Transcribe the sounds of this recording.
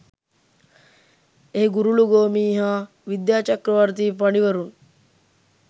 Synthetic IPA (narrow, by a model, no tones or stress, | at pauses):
eɦiɡuɾuluɡoːmiːɦaː | ʋid̪jaːt͡ʃɐkɾɐʋaɾt̪iːpaniʋɐɾuŋ